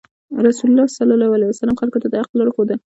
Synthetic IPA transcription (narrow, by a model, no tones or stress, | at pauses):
ɾasulʊlːɑsalɑlɑwalajwasalɑmxalkot̪ad̪əhaqlɑɽoxod̪ə